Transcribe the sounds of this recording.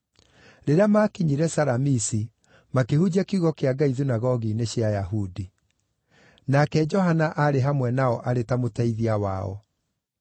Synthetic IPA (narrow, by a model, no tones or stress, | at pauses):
ɾeɾeamakiɲiɾɛsaɾamisi | makehud͡ʑakuɣɔkeaɡaiðinaɣɔɣineɕjajaɦudi | nakɛd͡ʒɔɦanaʔaɾeɦamwɛnaɔʔaɾetamotaiðiawa̰ɔ̰